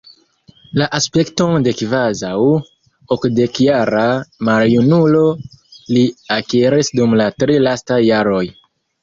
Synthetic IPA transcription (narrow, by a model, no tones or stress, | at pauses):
laʔaspe̞kto̞nde̞kvazaw | okde̞kjaɾamaɾjunulo̞liakiɾisdumlatɾilastajːaɾo̞j